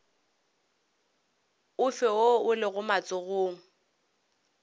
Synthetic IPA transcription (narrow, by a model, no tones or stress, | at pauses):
ʊfɪoʊlɪɣʊmat͡sʼʊɣoːŋ̩